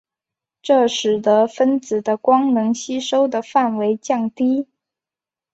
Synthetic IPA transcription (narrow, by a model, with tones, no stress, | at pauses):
ʈ͡ʂɤ˥˩ʂɻ̩˨˩d̪ə˧˦fə˥nt͡sɹ̩˨˩d̪ə˦kwɑ˥ŋnɤ˧˥ŋɕi˥ʂo˥ʊd̪ə˨fa˥˩nwe˧˥ɪt͡ɕjɑ˥˩ŋt̪i˥